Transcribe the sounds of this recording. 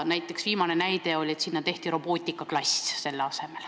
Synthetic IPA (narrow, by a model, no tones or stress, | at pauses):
næjt̪ːˑe̞ksviːmɑne̞næjt̪e̞o̞lʲe̞t̪sinːɑt̪e̞ht̪iɾo̞b̥o̞ːt̪ʲːˑikːˑɑklɑsʲse̞lːeɑse̞me̞l